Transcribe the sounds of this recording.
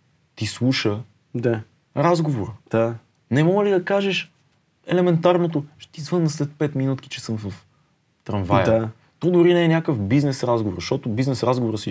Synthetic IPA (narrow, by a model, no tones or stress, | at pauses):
t̪islˠuʃə | d̪a | ɾazɡovoɾəd̪̥a | nɛmɔɡəlid̪ɐkaʒɛʃ | ɛlɛmɛnt̪aɾnot̪̬oʃt̪izvɤnːəslɛt̪̚pɛt̪minut̪ki̥t͡ʃɛsɤmvəf | t̪ɾɐnvaj̪a | t̪ɔd̪ʊɾinɛːnʲakəfbiznɛsɾazɡovoɾzʃt̪ɔt̪obiznɛsɾazɡovoɾəsi